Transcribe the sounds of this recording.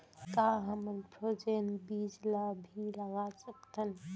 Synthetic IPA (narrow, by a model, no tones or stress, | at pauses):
kaːɦəməlpʰod͡ʒeːnbiːd͡ʒlabʱiləɡasəkt̪ʰən